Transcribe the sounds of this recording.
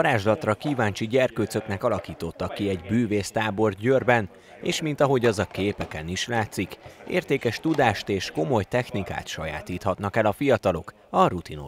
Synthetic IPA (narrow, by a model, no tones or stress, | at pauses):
ɒɾaːʒlɒt̪rɒkiːvaːnt͡ʃiɟɛrkøːt̪sø̞knɛkɒlɒkiːt̪o̞t̪ːɒkːiɛɟbyːveːst̪aːbo̞rɟørbɛn | eːʃmint̪ɒɦo̞ɟɒzɒkeːpɛkɛniʃlaːt̪sikḛːrt̪eːkɛʃt̪ud̪aːʃt̪eːʃko̞mo̞jt̪ɛxnika̰ːt̪ʃɒja̰ːt̪iːt̪hɒt̪nɒkɛlɒfijɒt̪ɒlo̞k | ɒɾut̪ino